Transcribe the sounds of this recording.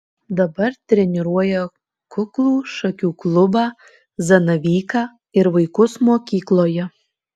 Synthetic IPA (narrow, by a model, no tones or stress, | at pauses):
d̪ɐbɐɾt̪ʲɾʲɛnʲɪɾuɔjɛ | kʊklˠuːʃɐkʲuːklˠʊbɑː | zɐnɐʋʲiːkɑː | ɪɾʋɐɪkʊsmoːkʲiːklˠoːjɛ